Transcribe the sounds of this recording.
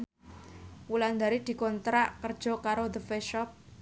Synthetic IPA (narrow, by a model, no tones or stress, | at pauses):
wuland̪aɾid̪̥i̤kɔnt̪ɾaʔkərd̥ʒ̥ɔ̤kaɾod̪əfɛʃɔp̚